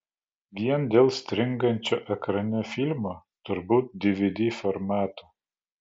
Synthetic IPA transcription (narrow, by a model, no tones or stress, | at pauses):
ʋʲiɛnd̪ʲeːlˠsʲt̪ʲɾʲɪŋɡɐnʲt͡ʃʲoːʔɛkɾɐnʲɛfʲilʲmoː | t̪ʊɾbuːt̪̚d̪ʲɪʋʲɪd̪ʲifɔɾmɑːt̪uː